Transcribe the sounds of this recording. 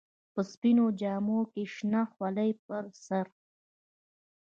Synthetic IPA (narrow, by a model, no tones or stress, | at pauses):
pəspinod͡ʒɑːmokeʃnaxwaləjpəɾsaɾ